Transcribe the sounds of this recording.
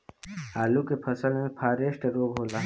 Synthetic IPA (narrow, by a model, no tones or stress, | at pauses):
aːlukepʰɐsəlmẽpʰaːɾeːʃʈeɾoːɡɦoːlaː